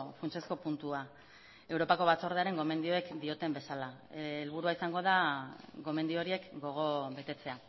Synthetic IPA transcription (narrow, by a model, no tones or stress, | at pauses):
funt͡ʃe̞sko̞punt̪ua | e̞wɾo̞pako̞β̞at͡so̞ɾðeaɾe̞ŋɡo̞me̞nd̪io̞ekd̪io̞t̪e̞mbe̞salaːlβuɾuaisaŋɡo̞ðaɡo̞me̞nd̪io̞ɾie̞kɡo̞ɣ̞o̞βe̞t̪e̞t͡se̞a